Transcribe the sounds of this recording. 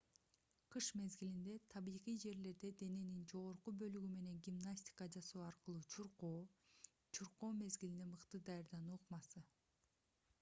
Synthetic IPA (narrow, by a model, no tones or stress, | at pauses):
qʰɯʃme̞zɡilind̪e̞t̪ʰɑβiːʁijd͡ʒe̞ɾle̞ɾd̪e̞d̪e̞ne̞nind͡ʒo̞ʁoɾqubø̞lyɡyme̞ne̞ŋɡʲimnasʲtʲi̥kɑd͡ʒɑso̞ːɑɾqɯlˠuːt͡ʃʰuɾqoː | t͡ʃʰuɾqo̞ːme̞zɡilind̪emɯqt̪ɯd̪ɑjaɾd̪ɑnuːqmɑsɯ